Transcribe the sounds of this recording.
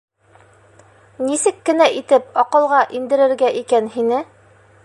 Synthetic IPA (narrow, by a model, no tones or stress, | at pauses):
nisɘkːɘ̆næʔit̪ɘpɒqɤ̆lˠʁɑʔind̪ɘ̆ɾɘ̆ɾɡæʔikænhinɘ